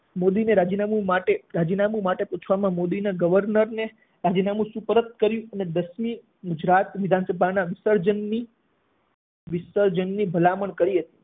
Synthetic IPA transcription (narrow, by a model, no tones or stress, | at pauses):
mod̪ineɾad͡ʒinamumaʈeɾad͡ʒinamũmaʈepũt͡ʃʰʋamãmod̪inaɡəʋəɾnəɾne | ɾad͡ʒinamũsupəɾət̪̚kəɾjũəned̪əsmi | ɡʊd͡ʒɾat̪ʋɪd̪ʱansəbʱanaʋɪsəɾd͡ʒənːi | ʋɪsəɾd͡ʒənːibʱəlaməɳkəɾiɦət̪i̥